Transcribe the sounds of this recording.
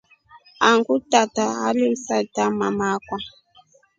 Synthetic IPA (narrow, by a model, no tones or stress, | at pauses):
aŋɡutataa̰lim̩satamamakwa